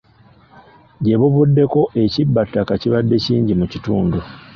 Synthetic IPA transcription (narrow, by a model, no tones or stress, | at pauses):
ɟe̞βuβudːe̞ko̞ʔe̞cibːatːakaciβadːe̞ciːɲɟimucituːndu